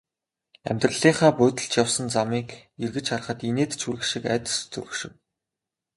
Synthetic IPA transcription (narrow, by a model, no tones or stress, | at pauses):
æ̰mʲt̪rə̆ɮiːɴχaːpʊt̪ə̆ɬt͡ɕjawsə̆nt͡samiːkerɣɘ̆t͡ɕarχə̆t̪ineːt̪t͡ɕʰuɾɘ̆kʃĭkæːt̪ə̥̆st͡sɵ̰ɾɵ̆xʃɪ̆w